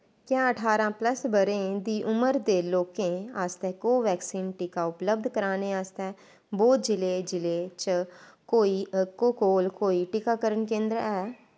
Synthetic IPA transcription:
kjãːəʈʰaːɾãːpləsbəɾẽːd̪iːʔʊməɾd̪eːloːkẽːaːst̪ekoːʋɛːksiːnʈɪkaʊpləb̚d̪ʱkəɾaːneaːst̪ɛː | boːd͡ʒɪleːd͡ʒɪlet͡ʃəkoːikoːkoːlkoːiʈɪkaːkəɾənkẽːnd̪ɾɛː

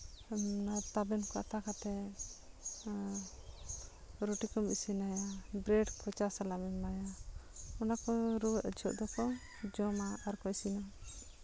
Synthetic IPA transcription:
nat̪abɛnkɔa̰t̪akat̪ɛ | ɾoʈikɔmbisinajabɾɛɖkɔt͡ʃasalamimːaja | ɔnakɔɾud͡ʒʰʱɔʔd̪ɔkɔ | d͡ʒɔmaaɾkɔjsina

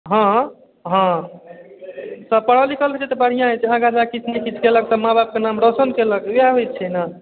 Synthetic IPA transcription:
ɦã | ɦɔ̃ | səb̚pəɽ̤əlikəlbʱet͡ʃʰɛt̪əbəɽ̤ijãɦet͡ʃʰãɡãd͡ʒakit͡ʃʰnekit͡ʃʰkeləksəmabab̚kenamɾosənkeləkjaɦoj̪̚t͡ʃʰɛna

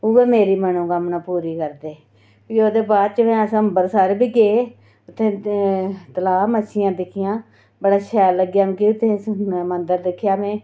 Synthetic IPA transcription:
ʊːʋeːmeːɾiːmənũːkəmnãːpuːɾiːkəɾd̪eː | pioːd̪eːbaːd̪̚t͡ʃəmɛ̃ːəsəəmbəɾsaːɾeːbiːɡeː | ʊt̪ʰːẽː | t̪əlaːmət͡ʃʰɪjãːd̪ɪkʰɪjãː | bəɽaːʃʰɛːlːəɡjaːm̃ːkɪʊt̪ʰːẽːsmənd̪əɾd̪ɪkʰːɪjaːmɛ̃ː

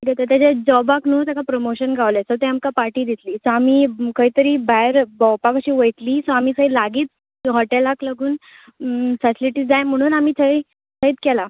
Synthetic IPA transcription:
ʈikat̪at̪jat͡ɕad͡ʑd͡zɔbaknot̪jakapɾomoɕənɡʱaʋlesɔt̪ɛamkapaʈiːd̪it̪liːsɔamiːkəɦit̪əɾiːbajɾbɔwpakəɕiːʋəjt̪liːsɔ̃am̤iːsəjlaɡiːt̪̚ | ɦɔʈelaklaɡuːn | fɛsʈliʈiːd͡zajm̤əɽ̃uːnamiːt͡sʰəj | sʰəiːt̪kɛla

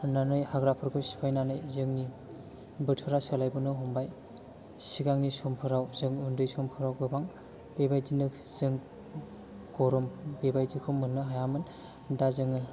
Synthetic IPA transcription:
nanɯjhaɡɾapʰɯɾkʰɯsi̥pʰajnanɯjzɯŋni | bɯtʰɯɾasalajbɯnɯɦɔmbaj | siɡaŋnisɔmpʰɯɾawzɯŋundɯjsɔmpʰɯɾawɡɯbaŋ | bebajdinɯ | zɯŋ | ɡɔɾɔmbebajdikʰɯmːɯnːɯɦajamɯn | dazɯŋɯ

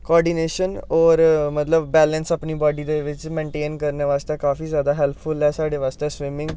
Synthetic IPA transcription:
koɔːɾɖiːneːʃənɔːɾmət̪ləbːɛːlənsəpniːbaːɖiːd̪eːʋɪt͡ʃmẽːɳʈeːnkəɾneːʋaːst̪eːkaːfiːzjaːd̪aːɦɛlpʰfʊlɛːsaːɽeːʋaːst̪eːsʋɪmɪ̃ŋɡ

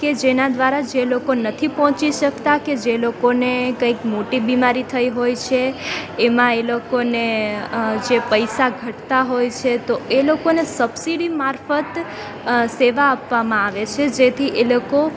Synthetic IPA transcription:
ked͡ʒenad̪ʋaɾad͡ʒelokonət̪ʰipɔ̃ɦɔ̃t͡ʃiʃəkt̪aked͡ʒelokonekə̃ikmoʈibimaɾit̪ʰəiɦojt͡ʃʰeːmãelokone | d͡ʒepəjsaɡʱəʈt̪aɦojt͡ʃʰet̪oʔelokonesəbsiɽimaɾfət̪ | seʋaːpʋamãaʋet͡ʃʰed͡ʒet̪ʰiʔeloko

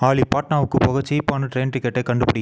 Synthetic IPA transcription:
aːɭipaːʈnaːʋɯkːɯpɔɣɐt͡ʃːɐjpːaːnɐʈɾeːnʈɪkːɛʈːɐɪkːɐɳɖɯpɐɽɪ

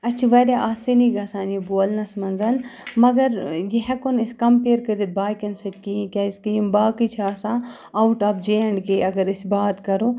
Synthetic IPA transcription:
ɐt͡ʃʰiʋɐɾʲaʔaːsiniɡɐsãːniboːlnɐsmɐnzɐnmɐɡɐɾjiɦɐkoniskɐmpeːɾkɐɾit̪̚baːkʲɐnsɐt̪̚kiĩkʲɐskijimbaːkit͡ʃʰaːsãː | ɐwuʈɐːpd͡ʒeɐɳɖkeːʔɐɡɐɾisbaːt̪kɐɾo

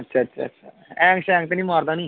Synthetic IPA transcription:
ɐtːʃʰaɐtːʃʰa̰ːtːʃʰaːɛ̃ːŋʃɛ̃ːkt̪enĩːmaːɾd̪ãːniː

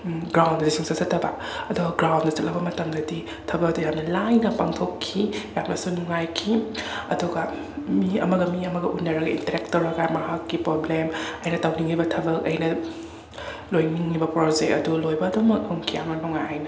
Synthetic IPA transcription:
ɡɾawndɐdisʰiŋsɐsɐtʰːɐbɐ | ɐduɡɐɡɾawndɐt͡ʃɐt̚lɐbɐmɐtɐmdɐdi | tʰɐbɐkɐdujamnɐlajnɐpaŋtʰokʰːijamnɐsunuŋajkʰiɐ̰duɡɐ | miɐmɐɡɐmiɐmɐɡɐʔunːɐɾɐɡɐḭntɐɾek̚tːɐwɾɐɡamɐhakːipɾoblemɐjnɐtawniŋːibɐtʰɐbɐk̚ɐ̰jnɐ | lojniŋːibɐpɾod͡ʒek̚ɐ̰dulojbɐːdomɐk̚huŋkʰijamnɐnuŋajhajnɐ

